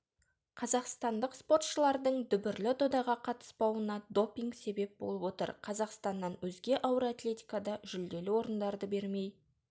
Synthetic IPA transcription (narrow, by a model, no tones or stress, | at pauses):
qʰɑzɑqst̪ɑnd̪əqspo̞t̪ʃəlˠɑɾd̪əɴd̪ʏbɪɾlɪd̪od̪ɑʁɑqʰɑt̪ə̥spɑwənɑd̪o̞pʲiŋɡse̞be̞p̚bo̞̰lˠəpwo̞t̪ə̰ɾqʰɑzɑqst̪ɑnːɑnwɵzɡʲe̞ʔɑwəɾat̪lʲe̞t̪ʲi̥jkad̪ɑʒʏld̪e̞lɪwo̞ɾənd̪ɑɾd̪əbe̞ɾme̞j